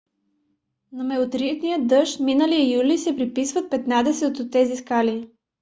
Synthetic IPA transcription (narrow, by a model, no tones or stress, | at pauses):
nɐmɛot̪ɾit̪nijəd̪ɤʃminəlijəjulisɛpɾipisvət̪̚pɛt̪nad̪ɛsɛot̪ot̪ːɛziskali